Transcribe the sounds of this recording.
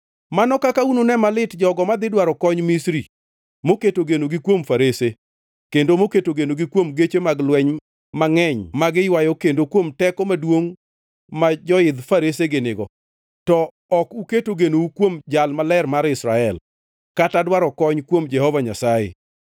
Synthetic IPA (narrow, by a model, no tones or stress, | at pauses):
manɔkakaunonɛmalɪtd͡ʒɔɡɔmad̪ɪdwaɾɔkɔɲmisɾi | moketoɡenoɡɪkwomfaɾese | kendomoketoɡenoɡɪkwomɡet͡ʃemaɡlwɛɲ | maŋɛɲmaɡɪjwajokendokwomtɛkɔmadwoŋ | mad͡ʒɔɪd̪faɾeseɡɪnɪɡɔ̰ | tɔ | ɔkuketoɡenoukwomd͡ʒalmalɛrmaɾɪsɾaɛl | katadwaɾɔkɔɲkwomd͡ʒɛhɔvaɲasajḛ